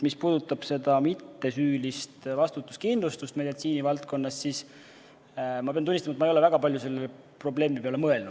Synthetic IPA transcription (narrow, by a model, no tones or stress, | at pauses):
mispuːd̪ut̪ːˑɑb̥se̞d̪ɑmit̪ːe̞syːlist̪vɑst̪ut̪ːˑuskind̪lust̪ust̪me̞d̪it̪siːnivɑlt̪̚ko̞nːɑssis | mɑpeɑnt̪unːist̪ɑmɑet̪mɑejolevæɡ̥ɑpɑlʲjuse̞lːe | pro̞ble̞ːmipeolemɤe̞lnu̥